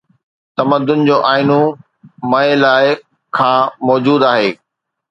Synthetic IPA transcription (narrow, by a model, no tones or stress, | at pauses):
t̪ɐməd̪ʊnɪ̆d͡ʑoːʔaːɪnu | mɐ̃elaːɪ | kʰãːmɔːd͡ʑuːd̪aːɦeː